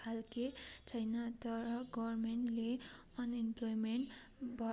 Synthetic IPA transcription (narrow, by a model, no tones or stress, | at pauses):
alket͡sʰʌjnʌt̪ʌɾʌɡʌɾmeɳʈle | ʌnimplojmeɳʈ | bʱʌ